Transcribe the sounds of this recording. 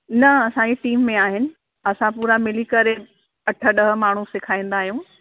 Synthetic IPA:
nɐɐsãɲd͡ʑeʈiːmːẽaːɦɪnɪ̆ | ɐsãpuːɾamɪlikɐɾe | ɐʈʰə̆ɗɐɦə̆maːɳ̤usɪkʰaːĩːn̆d̪aːɦijũː

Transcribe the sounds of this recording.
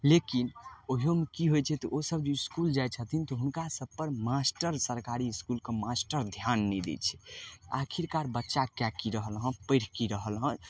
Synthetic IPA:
lekinoɦiɦomekiɦojt͡ʃʰɛt̪ɔʔosəb̚d͡ʒoiskuld͡ʒajt͡ʃʰət̪ʰint̪ɔɦunkasəb̚pəɾmasʈəɾsəɾkaɾiːskulkemasʈəɾd̪ʱjanːɛd̪ɛ̰t͡ʃʰɛ̥a̰kʰiɾkaɾbətːʃakjakiɾəɦəlɦə̃pəɪɽ̤kiɾəɦəlɦə̃

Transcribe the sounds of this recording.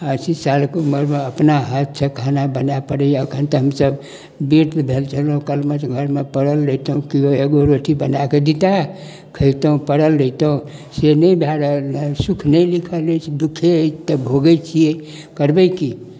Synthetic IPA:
asisalkeuməɾmeəpnaɦat̪̚sʰəkʰanabənapəɽɛəkʰənt̪əɦəmsəb | biɾt̪bʱelt͡ʃʰəlɦũkəlmət͡ʃɡʱəɾmepəɽəlːət̪əɦũkioeɡoɾoʈibənaked̪it̪a | kʰəɪt̪əɦũpəɽəlːət̪əũ | senəjbʱjaɾəsukʰnəjlikʰəlɛt͡ʃʰid̪ukʰet̪əbʱoɡət͡ʃʰije | kəɾbəki

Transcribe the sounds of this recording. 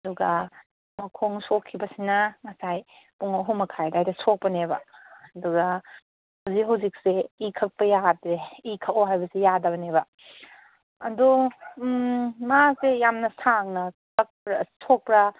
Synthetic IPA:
ɐduɡɐ | mɐkʰoŋsokʰːibɐsinɐŋɐsaj | puŋaɦumɐkʰajdajdɐsok̚pɐnebɐ̰ɐduɡɐ | hawzik̚ɦawzik̚seikʰɐk̚pɐjadɾeikʰaoɦajbɐsijadɐbɐnebɐ | ɐdu | masejamnɐsaŋnɐkʰɐk̚pɾɐsok̚pɾɐ

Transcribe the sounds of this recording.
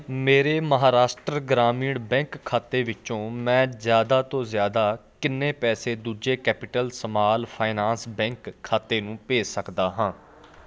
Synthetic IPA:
meːɾeːməɦaːɾaːsʈɾəɡɾaːmiːɽbɛ̃ːŋkʰːaːt̪eːʋɪt͡ʃõːmɛ̃ːzjaːd̪aːt̪õːzjaːd̪aːkɪnːẽːpɛːseːd̪uːd͡ʒeːkɛːpɪʈəlsəmaːlpʰaːɪnaːnsbɛ̃ːŋkʰːaːt̪eːnũːpeːsəkd̪aːɦãː

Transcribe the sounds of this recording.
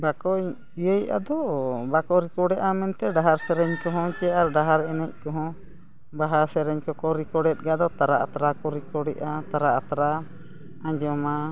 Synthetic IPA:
bakɔ | ijəjʔa̰d̪ɔbakɔɾikɔɽɛʔamɛnt̪ɛɖaɦaɾsɛɾɛɲkɔɦɔ̃t͡ʃɛaɾɖaɦaɾɛnɛc̚ˀkɔɦɔ̃ | baɦasɛɾɛɲkɔkɔɾikɔɽɛt̪̚ˀɡad̪ɔt̪aɾaʔat̪ɾakɔɾikɔɽɛʔat̪aɾaat̪ɾa | ãɲd͡ʒɔma

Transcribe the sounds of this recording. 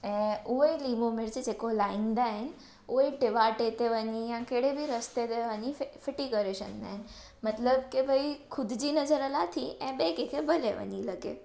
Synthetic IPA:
ɛ̃ːuɦəiliːmomɪɾd͡ʑed͡ʑekolaːɪ̃nd̪aɦɪnɪ̆ | uiʈɪʋaʈet̪eʋəɲijãkeɽebʱiɾəst̪ed̪eʋəɲifʰɪʈikəɾeʃə̰nd̪a̰ːɦɪn̆ | mɐt̪ləbkebʱɐikʰʊd̪ʱd͡ʑiːnɐzəɾəlat̪ʰiʔɛ̃ːɓeːkekʰebʱɐleʋə̰ɲilɐɡḛ

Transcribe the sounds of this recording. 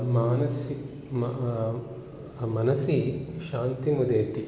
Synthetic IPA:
maːnɐsi | m | mɐnɐsiʃaːnt̪imud̪eːt̪i

